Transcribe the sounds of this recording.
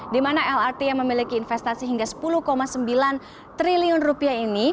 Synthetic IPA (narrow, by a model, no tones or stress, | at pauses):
dimanaɛlart̪ejaŋməmilikiːnfɛst̪asiɦiŋɡasə̥puluhkomasəmbilan | t̪ɾiliʊnrupiaini